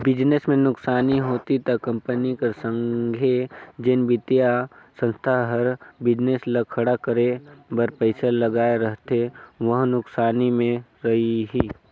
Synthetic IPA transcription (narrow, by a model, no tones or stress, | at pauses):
bɪd͡ʒnesmẽnʊksaːniɦoːt̪it̪ɐkːɐ̃mpənikesə̃ŋɡʱed͡ʒɪnbɪt̪jasə̃nst̪ʰaɦɐɾbɪd͡ʒneslɐkʰəɽakəɾebəɾpəɪsaləɡaːeɾəɦt̪eʋəɦnʊksaːnimẽɾɐɦiɦiː